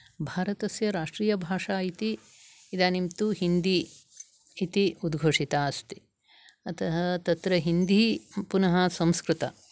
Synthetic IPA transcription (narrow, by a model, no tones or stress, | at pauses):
bʱaːɾɐt̪ɐsjɐɾaːʂʈɾiːjɐbʱaːʂaːit̪iː | d̪aːnimt̪uɦind̪iː | t̪iud̪ɡʱoːʂit̪aːɐst̪i̥ | ɐt̪ʰɐɦɐt̪ɐt̪ɾɐɦind̪ipunɐɦɐsɐ̃mskɾut̪ɐ